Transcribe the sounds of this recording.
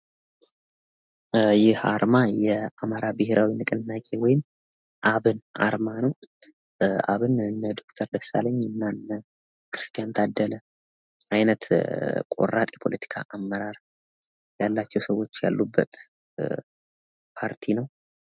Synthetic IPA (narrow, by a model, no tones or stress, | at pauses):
jɪhaɾmajɛamaɾabɨheɾʔawinɨkʼɨnnːakʼe̞wɔjɪm | ʔaβɨnʔa̰ɾmanəw | a̰βɨnɨnːəd̪o̞kt̪ʰəɾd̪əsa̰ləɲːɨnːanːə | kɨɾɨst̪ʰijant̪ʰad̪ːələ | ʔajnət̪kʼo̞̰rat̪ʼjɛpʰo̞lət̪ʰi̥kʰa̰ʔamːəɾaɾ | jalːat͡ʃːɛwsəwo̞t͡ʃːja̰lːubːə̰t̪ | pʰaɾt̪ʰinəw